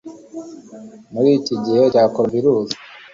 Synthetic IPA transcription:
muɾiːciɟiheɟaːkoɾombiɾuːzḁ

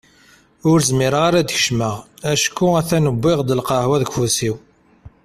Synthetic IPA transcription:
ʊɾzmiɾəʁaɾæd̪əçʃməʁæʃkːuæθænəbːɪʁd̪əlqɑhwæðəɡfusiw

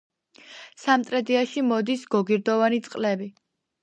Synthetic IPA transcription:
samt̪ʼɾɛd̪iaʃimɔd̪isɡɔɡiɾd̪ɔvanit̪sʼqʼlɛbi

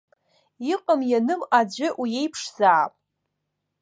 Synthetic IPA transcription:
iqʼəmjanɨmad͡ʑʷɪʔuje̞jpʰʂzaːpʼ

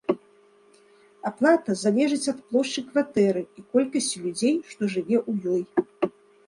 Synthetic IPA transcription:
aplˠat̪ɐzalʲɛʐɨt͡sʲɐt̪plˠɔʂt͡ʂɨkvat̪ɛɾɨikɔlʲkɐsʲt͡sʲlʲud͡zʲejʂt̪ɔʐɨvʲɛʔujɔj

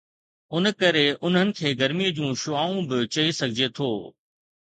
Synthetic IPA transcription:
ʊnəkɐɾeʊn̤ɦənɪ̆kʰeːɡɐɾmiəd͡ʑũːʃʊaːũbɪt͡ɕɐisɐɡʱɪd͡ʑet̪ʰoː

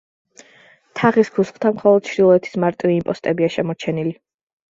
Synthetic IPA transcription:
t̪ʰaʁiskʰusχt̪ʰamχɔlˠɔd̪̥ʃɾilˠɔɛt̪ʰi̥smaɾt̪ʼiviimpʼɔst̪ʼɛbiaʃɛmɔɾt͡ʃʰɛnili

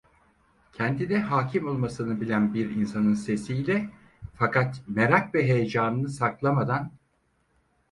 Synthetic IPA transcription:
cʰɛnd̪inɛɦaːcʰimo̞lˠmasɯnɯbilʲænbiɾinsanɯnse̞sijlʲɛ | fakʰat̪meɾakvɛɦe̞jed͡ʒaːnɯnɯsaklˠamad̪an

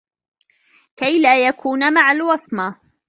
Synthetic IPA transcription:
kajlaːjakʰuːnmaʕalwɑsˤma

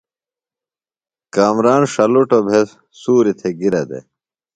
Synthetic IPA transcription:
kaːmɾaːnʂɐluʈobʱes | suːɾit̪ʰeɡiɾɐd̪ḛ

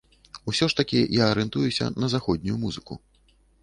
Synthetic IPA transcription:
usʲɔʂt̪ɐkʲijaːɾɛnt̪ujusʲɐ̰nɐzaxɔd̪̚ʲnʲujumuzɨkṵ

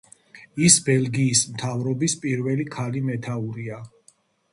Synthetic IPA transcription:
isbɛlɡiːsmt̪ʰavɾɔbispʼiɾvɛlikʰalimɛt̪ʰauɾia

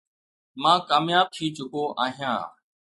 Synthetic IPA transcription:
mãːkaːmjaːb̚t̪ʰiːt͡ʃʊkoːʔa̰ːɦijã̰ː

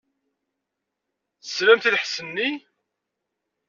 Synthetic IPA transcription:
θə̥slæmθilħsənːi

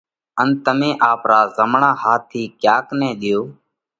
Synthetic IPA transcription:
ənt̪əmẽːʔaːpɾaːzəmɳãːhaːt̪ʰːiːkjaːknɛ̃ːɗ̪ɪjoː

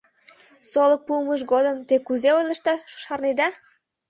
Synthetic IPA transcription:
solək̚puməʃ̬ɡod̪əmt̪ekuzeojlʲə̆ʃt̪ɑʃu̥ʃɑrned̪ɑ

